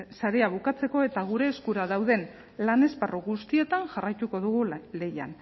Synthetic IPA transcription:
saɾe̞aβukat͡se̞ko̞e̞t̪aɣ̞uɾe̞ːskuɾaðawðe̞n | lane̞sparoɣust̪ie̞t̪aŋʝarajt̪uko̞ðuɣ̞ule̞ja̰n

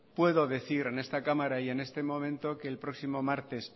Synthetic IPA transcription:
pwe̞ðo̞ðe̞θiɾe̞ne̞st̪akamaɾaje̞ne̞st̪emõ̞mẽnt̪o̞ke̞ːlpɾo̞ksimo̞maɾt̪es

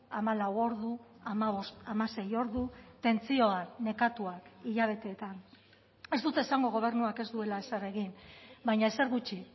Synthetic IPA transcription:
amalawo̞ɾðuamaβost̪amase̞jo̞ɾðut̪e̞nt͡sio̞ane̞kat̪uakiʎaβ̞e̞t̪e̞ːt̪an | e̞zd̪ut̪e̞ːsaŋɡo̞ɣ̞o̞β̞e̞ɾnuake̞zd̪ue̞laesare̞ɣinbajɲaese̞ɾɣut͡ʃi

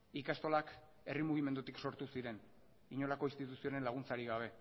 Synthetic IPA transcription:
ikast̪o̞lak | e̞rimuɣ̞ime̞nd̪ut̪ikso̞ɾt̪usiɾe̞n | iɲo̞lako̞ist̪it̪usio̞ɾe̞nlaɣ̞unt͡saɾiɣ̞aβ̞e̞

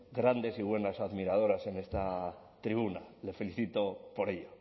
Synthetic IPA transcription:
ɡɾand̪e̞siβ̞we̞nasaðmiɾað̞o̞ɾase̞ne̞st̪a | t̪ɾiβunale̞fe̞liθit̪o̞po̞ɾe̞ʎo

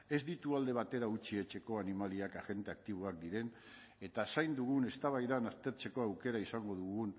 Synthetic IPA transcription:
e̞zd̪it̪uald̪e̞β̞at̪e̞ɾaut͡ʃie̞t͡ʃe̞ko̞animaliakaɣe̞nt̪eak̚t̪iβ̞oak̚d̪iɾe̞n | e̞t̪asajnd̪uɣ̞une̞st̪aβajðanast̪e̞ɾt͡se̞ko̞awke̞ɾaisaŋɡo̞ðuɣun

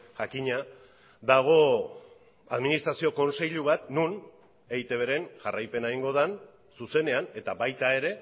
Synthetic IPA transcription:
ʝakiɲa | d̪aɣ̞o̞ | aðminist̪ɾasio̞ko̞nse̞ʎuβ̞at̪nun | e̞it̪e̞β̞e̞ɾe̞nʝarajpe̞naiŋɡo̞ð̞an | suse̞ne̞ane̞t̪abajt̪ae̞ɾe̞

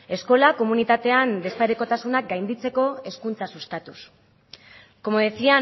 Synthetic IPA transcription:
e̞sko̞lako̞munit̪at̪e̞and̪e̞spaɾeko̞t̪asunak̚ɡajnd̪it͡se̞ko̞e̞skunt͡sasust̪at̪us | ko̞moðesia

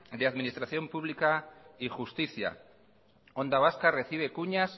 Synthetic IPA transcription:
d̪eaðminist̪ɾaθjo̞mpuβlikaixust̪iθja̰ | õ̞nd̪aβ̞askare̞θiβ̞ekuɲas

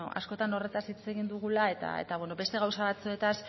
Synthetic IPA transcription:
o̰a̰sko̞t̪ano̞re̞t̪asit͡se̞ɣind̪uɣ̞ulae̞t̪a̰ḛt̪aβweno̞βe̞st̪e̞ɣ̞awsaβat͡sue̞t̪as

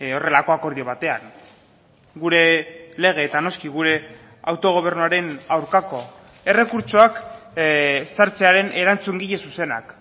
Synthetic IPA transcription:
o̞re̞lako̞ako̞ɾðio̞β̞at̪e̞aŋ | ɡuɾe̞le̞ɣ̞e̞ːt̪ano̞skiɣuɾe̞ | awt̪o̞ɣ̞o̞β̞e̞ɾnuaɾe̞nawɾkako̞ | e̞re̞kuɾt͡ʃo̞ak | saɾt͡se̞aɾe̞nʔe̞ɾant͡suŋɡiʎe̞suse̞na̰k

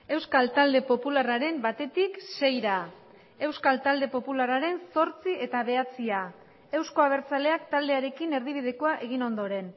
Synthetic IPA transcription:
e̞wskalt̪ald̪e̞po̞pularaɾe̞mbat̪e̞t̪ikse̞jɾa | e̞wskalt̪ald̪e̞po̞pularaɾe̞nso̞ɾt͡sie̞t̪aβe̞at͡sia | e̞wsko̞aβ̞e̞ɾt͡sale̞akt̪ald̪e̞aɾe̞kine̞ɾð̞iβ̞ið̞e̞koaʔe̞ɣ̞ino̞nd̪o̞ɾe̞n

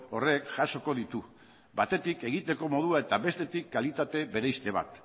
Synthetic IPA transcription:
o̞re̞kʝaʃo̞ko̞ðit̪u | bat̪e̞t̪ike̞ɣ̞it̪e̞ko̞mo̞ðuae̞t̪aβe̞st̪e̞t̪ikːalit̪at̪e̞βe̞ɾe̞jst̪e̞β̞a̰t̪

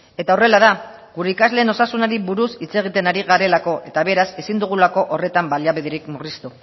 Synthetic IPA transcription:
e̞t̪aore̞lað̞a | ɡuɾe̞ikazle̞ːno̞sasunaɾiβuɾusit͡se̞ɣ̞it̪e̞naɾiɣaɾe̞lako̞ʔe̞t̪aβ̞e̞ɾase̞sind̪uɣ̞ulako̞ʔore̞t̪ambaljaβiðeɾikmurist̪u

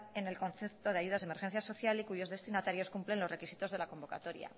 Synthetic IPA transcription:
e̞ne̞lko̞nθep̚t̪o̞ð̞eaʝuð̞azðeme̞ɾxenθjaso̞θjalikuʝo̞zðe̞st̪inat̪aɾjo̞skumple̞nlo̞zre̞kisit̪o̞zðe̞lako̞mbo̞ka̰t̪o̞ɾja̰

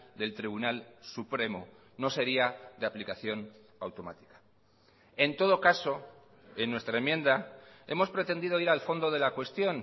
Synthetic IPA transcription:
d̪e̞lt̪ɾiβ̞unalsupɾe̞mo | no̞se̞ɾiaðeaplikaθjo̞n | awt̪o̞ma̰t̪i̥kḁ | e̞nt̪o̞ð̞o̞kaso̞ | e̞nːwe̞st̪ɾae̞mjẽ̞nd̪ae̞̰mospɾe̞t̪e̞nd̪ið̞o̞iɾalfo̞nd̪o̞ðe̞lakwe̞st̪jo̞n

